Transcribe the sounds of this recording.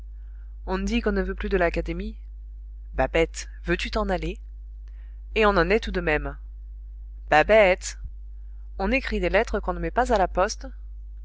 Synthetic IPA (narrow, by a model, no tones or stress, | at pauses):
ɔ̃nd̪ikɔ̃nəvøplyd̪əlakad̪emi | babɛt̪ | vøt̪yt̪ɑ̃nale | eɔ̃nɑ̃nɛt̪ud̪əmɛm | b̥abɛt̪ | ɔ̃nekχid̪elɛt̪χəkɔ̃nəmɛpazalapɔst̪